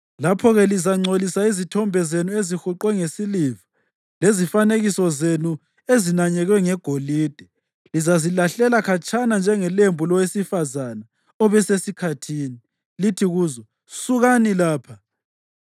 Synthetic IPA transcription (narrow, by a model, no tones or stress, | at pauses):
lapʰɔɣɛlizaŋ͡ǀʱolisaizitʰɔmbʱɛzenuezixuǃwɛŋesilivḁ | lezifaneɣisɔzenu | ezinaɲɛɣwɛŋɛɡ̥ʱoliːd̥ʱɛ | lizazilaɬɛlakʰat͡ʃʰʼanand͡ʒʱɛŋɛlembʱulɔwesifazana | ɔβɛsesikʰatʰiːni | litʰiɣuːzɔ | suɣanilaːpʰa